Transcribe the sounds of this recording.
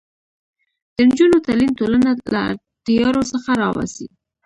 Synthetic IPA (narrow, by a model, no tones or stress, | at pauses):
d̪̥ənd͡ʒunot̪alint̪olanala̰ | t̪ijɑɾosəxaɾɑwa̰sḭ